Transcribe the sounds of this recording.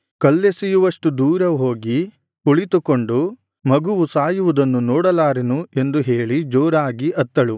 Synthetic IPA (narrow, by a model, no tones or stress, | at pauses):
kɐlːesijuʋɐʂʈud̪uːɾɐɦo̞ːɡi | uɭit̪uko̞ɳɖu | mɐɡuʋusaːjuʋud̪ɐnːunɔːɽɐlaːɾenue̞nd̪uɦeːɭid͡ʒoːɾaːɡiʔɐt̪ːɐɭu